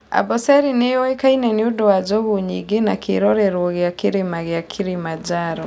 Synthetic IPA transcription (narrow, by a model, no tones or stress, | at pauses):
a̰bɔsɛɾinejɔɛkainɛniudɔad͡ʒɔɣuɲiɡenakʰeɾɔɾɛɾwɔɣeakiɾemaɣɪakʰiɾimad͡ʒaɾɔ